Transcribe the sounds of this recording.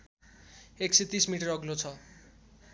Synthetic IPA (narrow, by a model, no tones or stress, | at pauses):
ekset̪ismiʈʌɾʌɡlot͡sʰʌ